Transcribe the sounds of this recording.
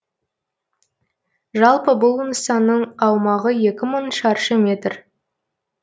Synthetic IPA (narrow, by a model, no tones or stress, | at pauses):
ʒɑlˠpəbʊlˠənəsɑnːəɴɑwmɑʁəje̞kʲɪməɴʃɑɾʃəmʲe̞t̪r